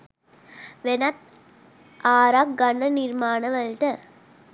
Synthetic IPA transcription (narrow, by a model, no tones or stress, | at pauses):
ʋenɐt̪̚ | aːɾak̚ɡɐɳːɐniɾmaːnɐʋɐlʈɐ